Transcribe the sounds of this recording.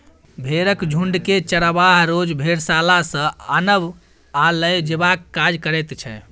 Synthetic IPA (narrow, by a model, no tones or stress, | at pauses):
bʱeɾəkd͡ʒʱuɳɖket͡ʃəɾəbaɦɾod͡ʒbʱeɾsalasə̃ənəb | aləjd͡ʒebakːad͡ʒkəɾɛt̪t͡ʃʰɛ̰